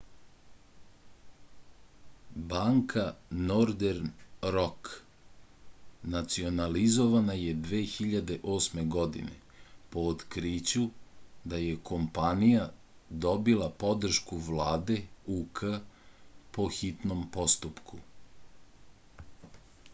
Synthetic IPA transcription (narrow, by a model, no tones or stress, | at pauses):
baːŋkʰanoɾd̪eɾnɾok | nat̪sio̞nalizo̞ʋanajed̪ʋe̞ːxiʎad̪e̞ʔo̞ːsme̞ɡo̞d̪ḭne̞̰ | po̞ːt̪kɾit͡ɕud̪aje̞ko̞mpanija | d̪o̞bilapo̞d̪r̩ʃkuʋlaːd̪e̞ukʰə | po̞xit̪no̞mpo̞st̪upkʰu